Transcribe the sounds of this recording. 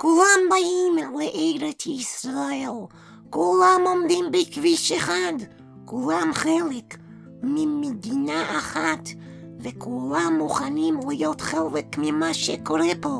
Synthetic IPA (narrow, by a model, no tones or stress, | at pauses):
kulambaʔimleʔejɾetisɾael | kulamomd̪imbikviʃeχad̪ | kulamχelek | mimed̪inaʔːχat̪ | vekulamːuχanimlijot̪χelekmimaʃekoɾebo